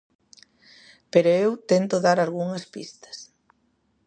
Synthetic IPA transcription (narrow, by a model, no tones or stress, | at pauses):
peɾoewt̪ent̪oðaɾalɣuŋɐspḭst̪ɐ̥s